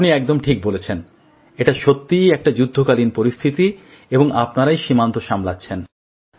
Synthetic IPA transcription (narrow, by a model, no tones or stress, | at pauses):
niɛk̚d̪omʈʰik̚bolet͡ɕʰen | eʈaʃot̪ːiɛk̚ʈad͡ʑud̪ʱːokalinpoɾist̪ʰit̪i | eboŋapnaɾajʃimant̪oʃamlatːɕʰen